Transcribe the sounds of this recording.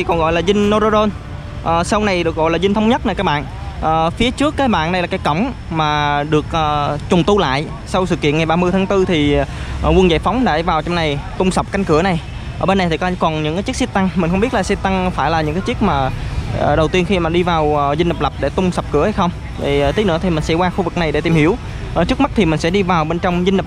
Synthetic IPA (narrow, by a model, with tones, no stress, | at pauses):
i˨˩kɔ˨˩nɣɔ̰˧˨jlaː˨˩zï˧ŋ̟no˧zo˧zo˧n | ʔəː˨˩sa˧wna˨˩jɗɨ˨˩ək̚ɣɔ̰˧˨jlaː˨˩zi˧ŋ̟t̪ʰə˧˦wŋ͡mɲə˦˥t̚na˨˩kaː˦˥k̚ɓa̰ː˧˨n | ʔəː˨˩fi˨˦ət͡ɕɨ˦˥əkːaː˨˦jɓa̰ː˧˨nɗə˧jlaː˨˩kaː˨˦jkə˧˩wŋ͡m | maː˨˩ɗɨ˨˩ək̚ʔəː˨˩t͡ɕʊ˨˩ŋ͡mt̪u˧la̰ː˧˨j | sa˧wsɨ̰˧˨kḭ˧˨əŋa˨˩jɓaː˧mɨ˧əjt̪ʰaː˨˦ŋt̪ɨ˧t̪ʰi˨˩˨wə˧nza̰ː˧˩jfa˨˦wŋ͡mɗa̰˧˩vaː˨˩wt͡ɕɔ˧wŋ͡mna˨˩jt̪ʊ˧ŋ͡msa˨˩k͡p̚ka˧jŋ̟kɨ˧˩əna˨˩j | ʔəː˧˩ɓe˧nːa˨˩jt̪ʰi˨˩kːkɔ˨˩nɲɨ̰˧˥ŋkaː˨˦t͡ɕi˦˥k̚si˧t̚t̪a˧ŋmi˨˩ŋ̟xə˧ŋ͡mɓi˦˥ət̚laː˨˩si˧˥t̪a˧ŋfaː˧˩jlaː˨˩ɲɨ̰˧˥ŋkaː˨˦jt͡ɕi˦˥ək̚maː˨˩˨ɗə˨˩wt̪i˧ənxi˧maː˨˩ɗi˧vaː˨˩wzi˧n̟ə˨˩k͡p̚lə˨˩p̚ɗe˧˩t̪ʊ˧ŋ͡msa˨˩wp̚kɨ˧˥əha˧jxə˧wŋ͡m | vi˨˩˨t̪ʰi˨˦nɨ̰˧˥t̪ʰi˨˩mï˨˩ŋ̟sɛ̰˧˥kwaː˧xu˧vɨ˨˩k̚na˨˩jɗe˧˩t̪i˨˩mhḭ˧˩əw | ʔt͡ɕɨ˦˥k̚ma˦˥t̚t̪ʰi˨˩mï˩ŋ̟sɛ̰˧˥ɗi˧vaː˨˩wɓe˧nt͡ɕɔ˧wŋ͡mzi˧lə˨˩